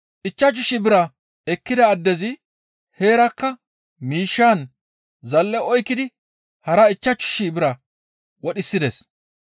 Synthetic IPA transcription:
ʔɪt͡ʃːɐt͡ʃːʊʃɪbɪɾɐ | ɛkːɪd̪ɐːd̪ːɛzɪ | he̞ːɾɐkːɐ | miːʃːaːn | zɐlːɛɔjkːɪd̪ɪ | hɐɾɐɪt͡ʃːɐt͡ʃːʊ̥ʃibɪɾɐ | wɔɗɪsːɪd̪es

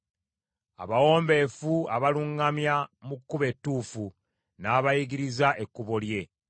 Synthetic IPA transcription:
a̰βawo̞ːmbe̞ːfuaβaluŋɡamjamukːuβe̞tːuːfu | naːβajiɡiɾizaʔe̞kːuβolje̞

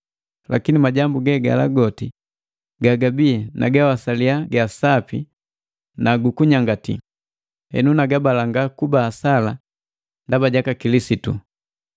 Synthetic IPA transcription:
lʔakinimaɟambuɡɛɡa̰la̰ɡɔti | ɡaɡabiɛnʔa̰ɡawasaliaɡasapi | naɡukuɲaŋɡatḭ | hɛ̰nunaɡabalaŋɡakubaːsala | ndabaɟakakilisitṵ

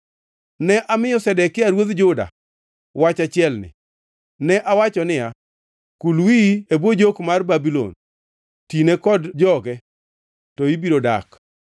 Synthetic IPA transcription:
nɛʔamɪjɔsɛdɛkːɪaɾwod̪d͡ʒʊda̰ | wat͡ʃat͡ʃɪɛlnɪ̰ | nɛʔawat͡ʃɔnɪja | kulwiebod͡ʒokmarbabilo̰n | tinekɔdd͡ʒɔɡɛ | tɔibiɾoda̰k

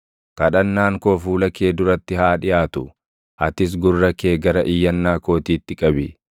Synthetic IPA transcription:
kɐᶑɐnːaːŋkoːfuːlɐkeːd̪ʊɾɐt̪ːɪhaːᶑɪjaːt̪ʊ | ʔɐt̪ɪs̬ɡʊrːɐkeːɡɐɾɐʔɪjːɐnːaːko̞ːt̪iːt̪ːɪkʼɐbɪ

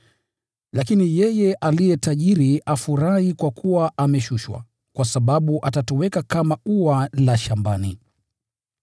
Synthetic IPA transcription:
lakinijɛjɛʔalijɛtaʄiɾiafuɾahikwakʰuwaʔamɛʃuʃwa̰ | kwasaɓaɓuʔatatɔwɛkakamauwalaʃambani

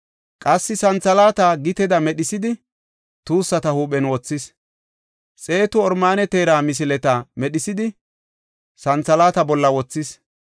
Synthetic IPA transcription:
kʼɐsːɪsɐnt͡sɐlaːt̪aɡɪt̪ɛd̪ɐmɛɗɪsɪd̪ɪ | t̪uːsːɐt̪ɐhuːɓɛnwɔt͡sːɪs | t͡sʼe̞ːt̪ʊɔɾmaːnɛt̪eːɾaːmɪs̬ɪlɛt̪ɐmɛɗɪsɪd̪ɪ | sɐnt͡sɐlaːt̪ɐbɔlːɐwɔt͡sːɪs

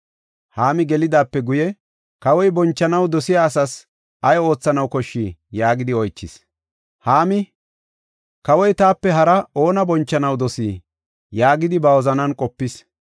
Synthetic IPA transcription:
haːmɪɡɛlɪd̪aːpːɛɡʊjɛ | kɐwɔjbɔnt͡ʃːɐnɐwd̪ɔsɪjaːsɐs | ʔɐjo̞ːt͡sːɐnɐwkɔʃːiːjaːɡɪd̪ɪɔjt͡ʃːɪs | haːmɪ | kɐwɔjt̪aːpːɛɦɐɾɐo̞ːnɐbɔnt͡ʃːɐnɐwd̪ɔsiː | jaːɡɪd̪ɪbɐwɔzɐnɐnkʼɔpːɪs

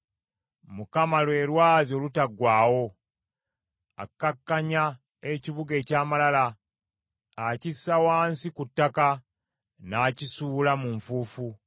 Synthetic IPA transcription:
mukamalwe̞ːɾwaːzio̞ːlutaɡwaːwo̞ | a̰kːakːaɲa | e̞ciβuɡe̞ːcaːmalala | cisːawaːnsikutːaka | naːcisuːlamuɱfuːfu

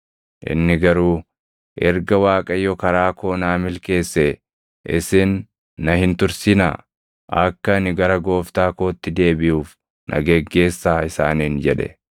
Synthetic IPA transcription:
ʔɪ̰nːɪɡɐɾuː | ʔɛɾɡɐwaːkʼɐjːɔkɐɾaːko̞ːnaːmɪlke̞ːsːɛ | ʔɪ̰sɪnː | ɐhɪnt̪ʊɾsɪna̰ː | ʔɐkːɐnɪɡɐɾɐɡo̞ːft̪aːko̞ːt̪ːɪd̪e̞ːbɪjuːf | nʔɐ̰ɡɛɡːe̞ːsːaːɪsa̰ːniːnd͡ʒɛᶑɛ̰

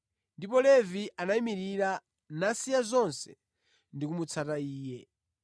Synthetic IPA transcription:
ndipɔlɛviʔanaimiɾiɾa | nasijazɔnsɛ̰ | ndikumut͡sʰataiːjɛ

